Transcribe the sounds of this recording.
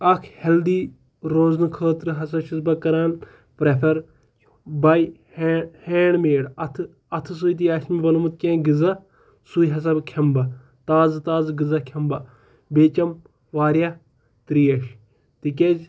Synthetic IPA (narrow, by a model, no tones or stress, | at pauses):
ɐkʰheld̪iː | ɾoːznɨkʰəːt̪ɾɨɦɐsɐʃusbɐkɐɾaːn | pɾepʰɐɾ | bɐj | heːɳmeːɽɐt̪ʰ | ɐt̪ʰɨs̬ujt̪iaʃmibɐnmut̪̚kʲẽːɡɨzɐ | sujɦɐs̬ɐbkʰɐmbɐ | t̪aːzt̪aːzɡɨzɐkʰɐmbɐ | beːt͡ʃɐm | ʋaːɾjɐ | t̪ɾiːɐʃ | t̪ikʲed͡ʒ